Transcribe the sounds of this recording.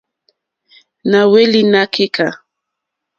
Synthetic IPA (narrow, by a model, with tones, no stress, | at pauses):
na˨we˦li˦na˦kʰe˦kʰa˨